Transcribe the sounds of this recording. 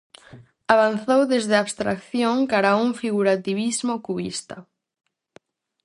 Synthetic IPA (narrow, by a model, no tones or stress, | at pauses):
aβ̞anθowðezðeaβst̪ɾakθjoŋkaɾauŋfiɣuɾat̪iβizmokuβḭst̪a